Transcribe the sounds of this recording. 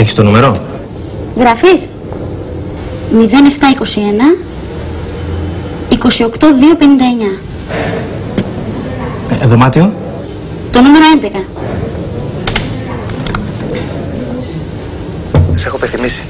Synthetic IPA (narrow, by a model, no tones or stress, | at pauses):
eçi̥st̪o̞nume̞ɾo̞ | ɣɾɐfis | miðe̞ne̞ft̪ɐiko̞sie̞nɐ | iko̞sio̞kt̪o̞ðio̞pe̞nind̪ɐeɲɐ | ðo̞mɐt̪io | t̪o̞nume̞ɾo̞e̞nd̪e̞kɐ | ɐsexoepeθimisi̥